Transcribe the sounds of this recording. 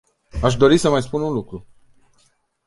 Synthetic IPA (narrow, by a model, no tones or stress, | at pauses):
aʃ̬d̪o̞ɾisəmajspununlukɾu